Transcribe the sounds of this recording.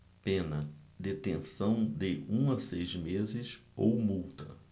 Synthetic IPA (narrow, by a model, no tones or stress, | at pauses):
pẽnɐd̪et̪ẽsɐ̃w̃d̪ɪũɐsejzmezɪsowmuwt̪ɐ